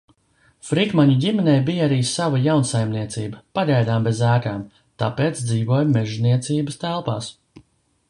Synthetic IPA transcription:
fɾikmaɲuɟʲimɛnɛjbijaɾiːsavɐjawnsajmniɛt̪siːbɐpaɡajd̪aːmbezæːkaːm | t̪a̰peːt̪sd̪ziːvuɔjmɛʒniɛt̪siːbəst̪ælˠpaːs

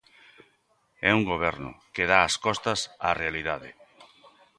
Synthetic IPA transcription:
ɛuŋɡoβ̞ɛɾnʊ̰keðaːskɔst̪ɐsarealiðaðɪ̰

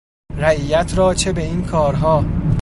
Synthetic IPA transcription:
ɾæiːjæt̪ʰɾɒːt͡ʃʰe̞beiːnkʰɒːɾɦɒː

